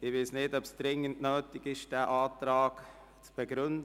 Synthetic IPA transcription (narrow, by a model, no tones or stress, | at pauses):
ɪvɪsnɪdɔpsd̥ɾɪŋəntnøːtɪɡɪʃd̥ɛːʔaːtɾaːɡ | t͡sb̥əɡɾʏnd